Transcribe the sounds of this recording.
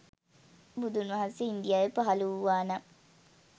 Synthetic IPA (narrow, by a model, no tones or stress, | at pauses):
bud̪unʋɐɦanseind̪ijaːʋəpaɦaluuʋaːna